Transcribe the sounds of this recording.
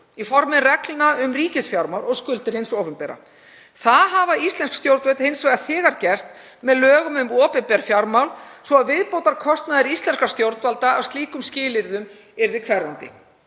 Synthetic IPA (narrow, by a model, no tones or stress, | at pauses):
ifɔɾmɪnrɛklnaʏmriːcɪsfjaɾmawlɔɣskʏlt̪ɪɾ̥hɪnsowpʏmpɛɾa̰ | θaðɦavaist̪lɛnskst̪jowɾt̪vœt̪hensvajɣaθɪːɣaɾcɛr̥t̪ | mɛðlœːɣʏmʏmɔːpɪmpɛɾfjawɾmawlsvɔaðvɪðpowt̪aɾkʰɔst̪naðɪɾist̪lɛnskast̪jowɾt̪valt̪aavst̪liːkʏmscɪːlɪɾðʏm | ɛɾðɪkʰvɛrːant̪ɪ̰